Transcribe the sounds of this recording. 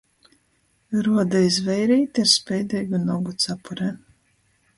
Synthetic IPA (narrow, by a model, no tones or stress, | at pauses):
ɾuɔd̪aizvɛjɾiːt̪ʲiaɾspʲɛjd̪iːɡunɔɡut̪sapuɾɛ